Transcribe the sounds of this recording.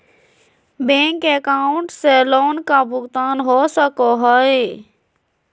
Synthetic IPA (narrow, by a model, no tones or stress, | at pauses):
bẽŋkekaːʊ̃ɳʈseloːnkabʱʊɡt̪aːnɦosəkoɦɔe